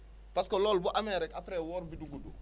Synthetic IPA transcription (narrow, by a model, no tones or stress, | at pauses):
paskolɔːlbuʔamɛɾɛkapɾɛːwɔːɾbiduɡudṵ